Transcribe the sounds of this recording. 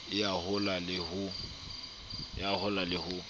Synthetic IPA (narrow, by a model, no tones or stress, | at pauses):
ɪahʊlalɪhʊ | ɪ̰ahʊlalɪhʊ